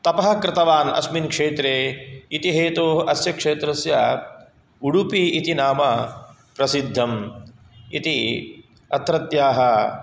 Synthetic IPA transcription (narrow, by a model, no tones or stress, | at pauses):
t̪ɐpɐɦɐkɾɪt̪ɐʋaːnɐ̰sminkʂeːt̪ɾeːit̪iɦeːt̪oːɦɐsjɐkʂeːt̪ɾɐsjɐ | uɽupiit̪inaːmɐ | pɾɐsid̪ʱːɐm | ḭt̪i | ɐt̪ɾɐt̪jaːɦɐ